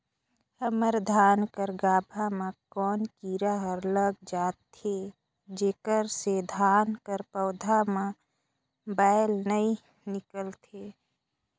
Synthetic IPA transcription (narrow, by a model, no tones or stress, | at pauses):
həməɾd̪ʱaːnkəɾɡaːbʱamãkɔːnkiːɾaɦəɾləɡd͡ʒaːt̪ʰe | d͡ʒeːkəɾsed̪ʱaːnkəɾpəʊd̪ʱamã | baːjlnəi | nɪkəlt̪ʰeː